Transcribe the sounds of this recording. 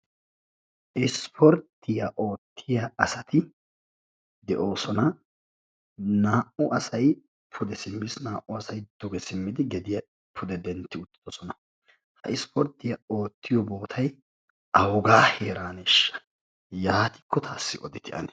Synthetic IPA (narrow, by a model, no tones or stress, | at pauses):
ʔɪspʰɔɾt̪ːɪjɐʔo̞ːt̪ːɪjɐɐsɐt̪ɪ | d̪ɛʔo̞ːsɔnɐ | naːʔʊʔɐsɐj | pʰʊd̪ɛsɪmːɪsnaːʔʊɐsɐjd̪̥ɔɡɛsɪmːɪd̪ɪɡɛd̪ɪjɐ | pʰʊd̪ɛd̪ɛnt̪ːɪʊt̪ːɪ̥d̪̥ɔsɔnɐ | hɐ̰ʔɪspʰɔɾt̪ːɪjɐo̞ːt̪ːɪjɔbo̞ːt̪ʰɐj | ɐwɡaːheːɾaːneʃːɐ̥ | jaːt̪ɪ̥kːɔt̪ʰaːsːɪʔɔ̰d̪ɪt̪ɪʔɐ̰nɛ